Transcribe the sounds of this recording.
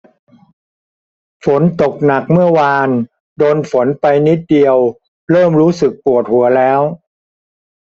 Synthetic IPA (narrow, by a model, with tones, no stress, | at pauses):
fo˩˦nt̪o˨˩k̚na˨˩k̚mɯ˥˩ɐwaː˧n | doː˧nfo˩˦npa˧jni˦˥t̪̚di˧əw | ɾɤː˥˩mɾuː˦˥sɯ˨˩k̚pu˨˩ət̪̚hu˩˦ɐlɛː˦˥w